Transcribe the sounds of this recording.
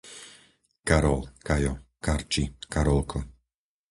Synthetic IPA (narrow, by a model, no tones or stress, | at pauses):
kaɾɔlkajɔkaɾt͡ʃikaɾɔlkʰɔ